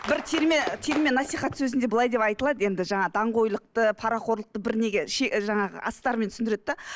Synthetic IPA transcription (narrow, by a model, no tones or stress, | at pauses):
bɪɾt̪ʰeɾmet̪ʰeɾmʲenɑsijχɑt̪sɵzɪnd̪e̞bəlˠɑjd̪e̞pɑjt̪əlˠɑd̪əje̞nd̪ɪʒɑɴɑd̪ɑɴʁo̞jlˠəq̚t̪əpʰɑɾɑqo̞ɾlˠəq̚t̪əbɪɾne̞ɡʲe̞ʃeʒɑɴɑʁə̰ʔɑ̰st̪ɑɾme̞nt̪ʰsɪnd̪ɪɾed̪̚d̪ɑ